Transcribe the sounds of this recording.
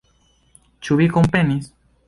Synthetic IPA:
t͡ʃuβikompenis

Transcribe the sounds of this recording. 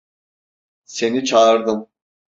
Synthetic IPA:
se̞nit͡ʃʰaɾd̪ɯm

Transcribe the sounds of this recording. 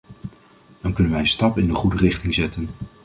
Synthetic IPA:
d̥ɑnkɵnənʋɛjənstɑpɪndəχudərɪχtɪŋzɛtən

